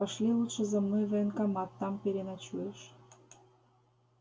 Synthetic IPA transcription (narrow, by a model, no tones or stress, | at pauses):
ɑʃlʲilut̪ʃə̆zə̆mnojvejənkɑmɑt̪ːɑmpeɾenɑt͡ɕueʃ